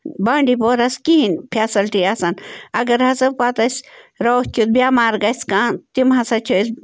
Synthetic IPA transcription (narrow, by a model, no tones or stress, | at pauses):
baːɳɖipoːɾɐskiɦinpʰaːsɐlʈiɐsɐnɐɡɐɾhɐsɐbpaːt̪ɐsʲɾoːht͡ʃʰut̪̚bʲjaːmaːɾɡɐskaːt̪imɦɐsɐt͡ʃʰus